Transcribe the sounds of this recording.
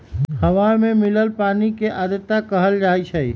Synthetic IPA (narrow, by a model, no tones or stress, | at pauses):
həʋaɾmemiləlpanikeʔad̪ət̪ːakəɦəld͡ʒaɛt͡ʃʰəj